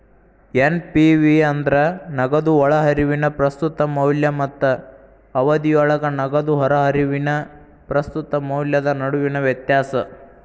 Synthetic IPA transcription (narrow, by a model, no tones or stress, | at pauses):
enpiʋiɐnd̪ɾɐnɐɡɐd̪uɔɭɐɦɐɾiʋinɐpɾɐst̪ut̪ɐmɐwljɐmɐt̪ːɐː | ʋɐd̪ijɔɭɐɡɐnɐɡɐd̪uɦɔɾɐɦɐɾiʋinɐ | pɾɐst̪ut̪ɐmɐwljɐd̪ɐnɐɽuʋinɐʋjɐt̪jaːsɐ